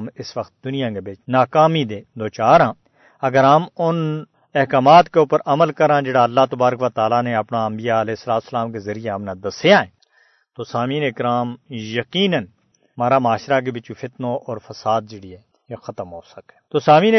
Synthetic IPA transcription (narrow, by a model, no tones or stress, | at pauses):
mɪsʋəkt̪̚d̪ʊnijãːkebɪt͡ʃnaːkaːmid̪eːd̪oːt͡ʃaːɾãː | ɐɡəɾamʊn | ɪɦkaːmaːt̪keʊpəɾɐməlkəɾãːd͡ʒeːɽaːɐlːaːt̪ɐbaːɾəkʋat̪aːlaːneɐpnaɐmbijaɐleːɪsəlaːt̪ʊsəlaːmkezɐɾijeɦəmnãːd̪ɐsejãːẽː | t̪oːsaːmiːnɪkɾaːmjɐkiːnən | maːɾaːmaːʃɾak̬ebɪt͡ʃufʰɪt̪noːʔɔːɾfʰɐsaːd̪̚d͡ʒɪɽiɛː | jexət̪əmɦoːsəkẽ̥ːt̪osaːmiːn